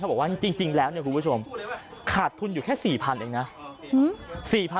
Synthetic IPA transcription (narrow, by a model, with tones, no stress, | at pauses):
a˥˩bɔ˨˩kwaː˥˩i˧ŋt͡ɕi˧ŋt͡ɕi˧ŋlɛː˦˥wni˥˩kʰu˧˦pu˥˩o˧mkʰaː˨˩t̪ʰu˧njuː˨˩kʰɛː˥˩siː˨˩pʰa˧nʔeː˧ŋna˦˥ | siː˨˩pʰa˧